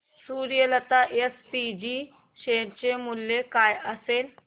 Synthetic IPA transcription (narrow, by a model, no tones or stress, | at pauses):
suɾijələt̪aʔespid͡ʑiː | ɕeɽt͡ɕemulːekajəsel